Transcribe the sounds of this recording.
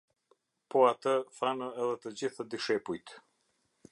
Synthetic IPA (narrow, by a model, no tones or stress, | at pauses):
pɔat̪əθanəɛðɛt̪əd͡ʑiθad̪iʃɛpujt̪